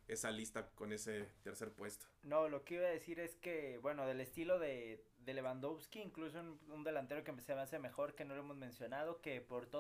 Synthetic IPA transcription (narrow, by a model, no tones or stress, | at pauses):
e̞salist̪ako̞ne̞set̪eɾseɾpwe̞st̪o̥no̞lo̞keiβað̞e̞siɾe̞ske̞bwe̞no̞ðe̞le̞st̪ilo̞ðe̞ | ðele̞βand̪oβskiːŋklus̬ound̪e̞lant̪e̞ɾo̞kempeseβanseme̞xo̞ɾkeno̞loemo̞zmẽ̞nsjonað̞o̞ke̞po̞ɾt̪o